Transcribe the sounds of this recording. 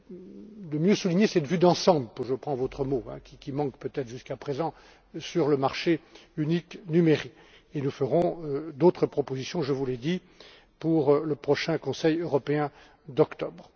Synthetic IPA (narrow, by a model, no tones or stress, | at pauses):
d̪əmjøsuliɲesɛt̪vyd̪ɑ̃sɑ̃bləpuʒəpχɑ̃vot̪χəmoɛ̰̃kʲikʲimɑ̃kpøt̪ɛt̪χəʒyskapχezɑ̃ | syʁləmaʁʃeyniknymeʁik | enufəʁɔ̃d̪ot̪χəpχɔpozisjɔ̃ʒəvulɛd̪i | puʁləpχɔʃɛ̃kɔ̃sɛjøʁɔpeɛ̃ | d̪ɔkt̪ɔbʁ